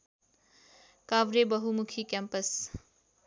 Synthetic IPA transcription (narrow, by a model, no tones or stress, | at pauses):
kabɾebʌɦumukʰikampʌs